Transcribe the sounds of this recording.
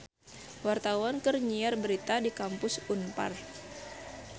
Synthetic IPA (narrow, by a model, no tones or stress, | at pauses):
wart̪awankərɲiarbəɾit̪adikampʊsunpa̰r